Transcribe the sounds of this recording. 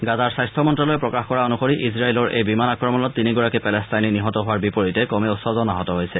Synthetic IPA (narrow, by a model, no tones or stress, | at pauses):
ɡazaɹsajstʰɔmɔntɹalojpɹɔkaxkɔɹaonuxoɹiʔizɹailɔɹʔḛjbimanakɹɔmɔnɔtːiniɡɔɹakipɛlɛstajniniɦɔtɔɦʊwaɹbipoɹitɛkɔmɛosɔzɔnaɦɔtɔɦojsɛ